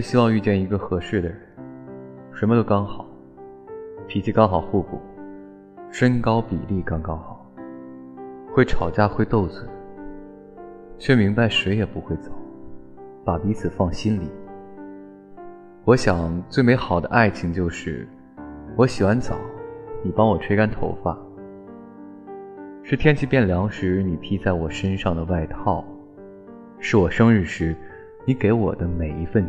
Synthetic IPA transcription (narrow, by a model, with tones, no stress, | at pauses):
ɕi˥wɑ˥˧ŋy˥˧t͡ɕjɛ˥˩ni˧˥ɡə˧xɤ˧˥ʂɻ̩˥˩d̪ə˩ɻə˧˥n | ʂə˧˥nmə˧t̪o˥ʊkɑ˥ŋxɑ˨˩˦ʊ | p̪ʰi˨˩t͡ɕʰi˥˧kɑ˥ŋxɑ˨˩ʊxu˥˧pṵ˨˥˩ | ʂə˥nkɑ˥ʊpi˨˩li˥˩kɑ˥ŋkɑ˥ŋxɑ˨˩˦ʊ | xwe˥˩ɪʈ͡ʂʰɑ˨˩ʊt͡ɕja˥xwe˥˧ɪt̪o˥˩ʊt͡swe˨˩˦ | t͡ɕʰɥɛ˥˩mi˧˥ŋba˧ɪʂwe˧˥ɪjɛ˨˩pu˧˥xwe˥˩ɪt͡sɑ˨˩˦ʊ | pa˨˩pi˧˥t͡sʰɹ̩˨˩fɑ˥˩ŋɕi˥nli˨˩˦ | wɔ˧˥ɕjɑ˨˩ŋt͡swe˥˩ɪme˧˥xɑ˨˩ʊd̪ə̰˦ʔa˥˩ɪt͡ɕʰi˧˩ŋt͡ɕjo˥˧ʊʂɻ̩˥˩ | wɔ˧˥ɕi˨˩xwa˧˥nt͡sɑ̰˨˩˦ʊni˨˩pɑ˥ŋwɔ˨˩ʈ͡ʂʰwe˥ɪka˥nt̪ʰo̰˧˥ʊfa˥˩ | ʂɻ̩˥˩t̪ʰjɛ˥nt͡ɕʰi˥˩pjɛ˥˩nljɑ˧˥ŋʂɻ̩˧˥ni˨˩t̪ʰi˥t͡sa˥˩ɪwɔ˨˩ʂə˥nʂɑ˥˩ŋd̪ə˩wa˥˧ɪt̪ʰɑ˥˩ʊ | ʂɻ̩˥˩wɔ˨˩ʂɤ˥ŋɻ̩˥˩ʂɻ̩˧˥ | ni˧˥ke˧˥ɪwɔ̰˨˩d̪ə˦me˨˩ɪi˧˥fə˥˧n